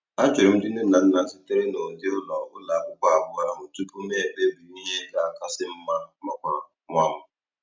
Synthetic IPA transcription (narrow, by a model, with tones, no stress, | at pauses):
a˦t͡ʃɪ˨ɪ˨m̩˦dɪ˦nɪ˦˨a˨n̩˦na˨˦sɪ˦tɪ˦ɾɪ˦no˨dɪ˦ʊ˦lɔ˨ʊ˦la˨a˨kʷʊ˦kʷa˦a˨bʊ˨˦a˨ɾa˨mʊ˨tu˦pu˦m˦e˦˨be˦bu˨i˦ɦe˦ɡa˨a˨ka˦sɪ˦m̩˦ma˦mɔ˨kʷ | ŋʷa˦m̩˦